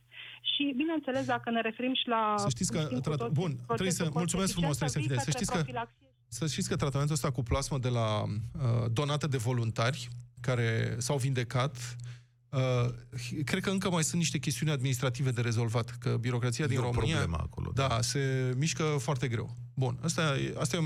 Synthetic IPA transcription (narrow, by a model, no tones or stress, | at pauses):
ʃibinent̪sele̞s̬d̪akəneɾe̞fe̞ɾimʃilasəʃt̪it̪skət̪ɾat̪bunɾejsəmmult̪sumes̬kfɾumost̪ɾeseniesəʃt̪it̪skəfilaks | səʃt̪it̪sʲkət̪ɾat̪ame̞nt̪uəst̪akuplasməd̪e̞laəd̪o̞nat̪əd̪e̞vo̞lunt̪arʲkaɾe̞sawvind̪e̞kat̪ | ə | kɾed̪kəɨŋkəmajsunt̪niʃt̪e̞kʲe̞st̪iunʲad̪minist̪ɾat̪ive̞d̪e̞ɾe̞zo̞lvat̪kəbiɾo̞kɾat̪siad̪inɾo̞mɨniaema̰ko̰lo̰d̪ase̞miʃkəfoart̪e̞ɡɾe̞̰w | bunast̪ajḛast̪aje